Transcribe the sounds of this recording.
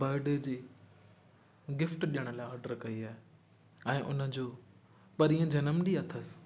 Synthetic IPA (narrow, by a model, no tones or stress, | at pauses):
baːɾɪɖed͡ʑiː | ɡɪfʈɗijəɽ̃̆laːɔːɾɖəɾkɐiaːɪ | ɛ̃ːʔʊ̰nə̆d͡ʑoː | pɐɾiːə̃d͡ʑɐnəmɗiɐt̪ʰəsɪ̥